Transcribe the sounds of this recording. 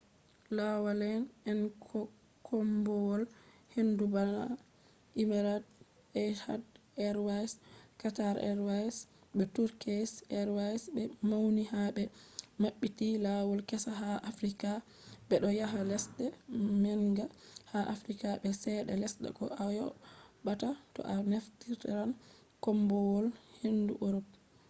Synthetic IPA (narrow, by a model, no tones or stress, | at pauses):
lawalɛnɛnkʰɔ | kʰɔmbɔwɔl | hendubana | imaɾad | ɛhad | ɛɾwajskataɾɛ̰ɾwajsɓɛtuɾkʰɛsɛɾwajsbɛmawnihaɓɛmaɓːitilawɔlkɛsaɦaʔafɾika | ɓɛɗɔjaɦalɛsɗɛmɛŋɡahaʔafɾikaɓɛsɛɗɛ̰lɛsɗɛ̰kɔ̰ajɔ̰batatɔ̰ʔaneftiɾtɛɾan | kɔmbɔwɔlhenduʔoɾɔp̚